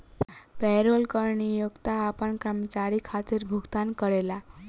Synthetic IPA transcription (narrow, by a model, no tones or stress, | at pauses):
pɛɾolkəɾɳijoɡt̪aːpəɳkəɾmət͡ɕaɾikʰat̪iɾbʱuɡt̪ankəɭela